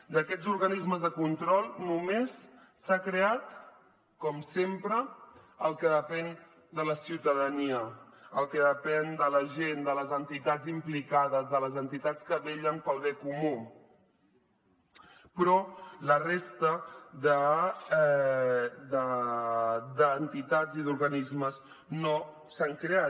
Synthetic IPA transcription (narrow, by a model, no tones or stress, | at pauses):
d̪əkɛzuɾɣənizməzðəkunt̪ɾɔlˠnumesː | akɾeat̪ | kɔmsempɾəː | lˠkəðəpɛn | d̪ələsiwt̪əðəniə | əlˠkəðəpɛnd̪ələʒend̪ələzənt̪it̪ad͡zimplikaðəzðələzənt̪it̪at͡skəβeʎənpəlˠβekumu | pɾɔlərest̪əðə | d̪ə | d̪əːnt̪it̪ad͡ziðuɾɣənizməz | no | saŋkɾea